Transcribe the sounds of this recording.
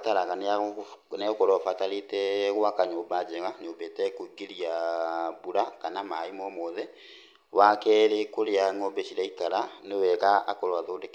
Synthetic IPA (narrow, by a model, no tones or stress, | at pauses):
taɾaɣanɛnɛkɔɾɔfataɾetɛɣwakaɲoːbad͡ʒɛɣaɲobɛtɛkoiɡeɾiabuɾakanamaimɔmɔðɛ | wakɛːɾekoɾeaŋobɛɕiɾaikaɾanewɛɣaːkɔɾwaðoːdek